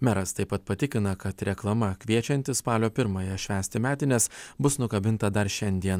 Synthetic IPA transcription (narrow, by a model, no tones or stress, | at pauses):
mʲæɾɐst̪ɐɪpːɐt̪̚pɐt̪ʲɪkʲɪnɐkɐt̪ɾʲɛklˠɐmɐkʲʋʲiɛt͡ʃʲɛnʲt̪ʲɪspɑːlʲoːpʲɪɾmɐjɛʃʲʋʲæːsʲt̪ʲɪmʲæːt̪ʲɪnʲɛsbʊsnʊkɐbʲɪnt̪ɐd̪ɐɾʃʲɛnʲd̪ʲiɛn